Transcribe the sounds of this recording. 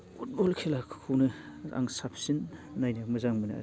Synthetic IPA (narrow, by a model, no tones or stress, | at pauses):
fut̚bɔlkʰelakʰkʰuwnɯa̰ŋsapʰsinːajnamɯzaŋmɯna̰